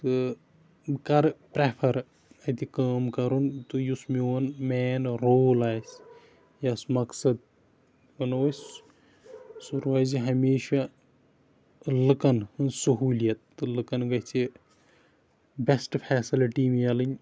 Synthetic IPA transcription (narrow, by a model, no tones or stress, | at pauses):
t̪ɨ | kɐɾpɾepʰɐɾ | ɐt̪ikaːmkɐɾunt̪ujusmiʋɐnmɛːnɾoːlaːjs | jɐsmɐksɐd̪ | ɐnos | suɾaːziɦɐmeːʃa | lɨkɐnɨnsɐɦuːlijɐt̪ːɨlɨkɐnɡɐt͡ʃʰi | bʲesʈpʰɛːsiliʈimɐlɨnʲ